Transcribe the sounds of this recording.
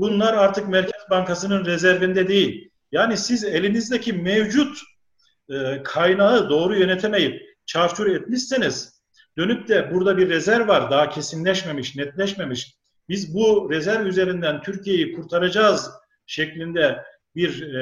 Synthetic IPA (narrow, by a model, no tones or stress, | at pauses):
bunlˠaɾaɾt̪ʰɯkmæɾcʰɛzbaŋkʰasɯnɯnɾɛzæɾvind̪ɛd̪ejilʲ | jaːnisizelʲinizd̪ecʰimevd͡ʒut̪ː | kʰajnaɯd̪o̞ːɾujø̞nɛt̪ʰeme̞jip̚ | t͡ʃʰaɾt͡ʃʰuɾɛt̪miʃsiniz̥ | d̪̥ø̞nyp̚t̪ʰɛbuɾd̪abiɾːɛzæɾvvːaɾd̪aɦacʰe̞sinlʲɛʃmemiʃnɛt̪lʲɛʃmemiʃ | bizbuɾɛzæɾvyze̞ɾind̪ænt̪ʰyɾcʰije̞jikʰuɾt̪ʰaɾad͡ʒaːz | ʃɛclʲind̪ɛ | biɾ